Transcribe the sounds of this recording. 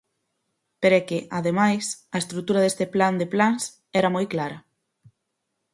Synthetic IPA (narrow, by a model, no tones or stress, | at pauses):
peɾɛkeʔaðemajsɐest̪ɾuk̚t̪uɾaðest̪epland̪eplaŋs | ɛɾamojklaɾɐ